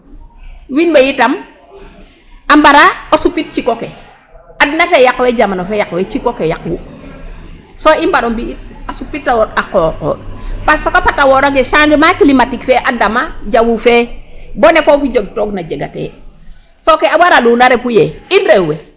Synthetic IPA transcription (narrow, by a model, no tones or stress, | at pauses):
winbejitam | ambaɾaosupit̚t͡ʃikoke | adnatejakwed͡ʒamanofejakwet͡ʃikokejakwu | soimbaɾombiit̚asupːitːawakɔːqɔ̰passokopatawoɾoɡeʃanɡemakilimatikfeʔadamaɟawufebonefofid͡ʒoɡ̚toɡnad͡ʒeɡa̰tḛ | sokeawaɾalunaɾepujeinɾewe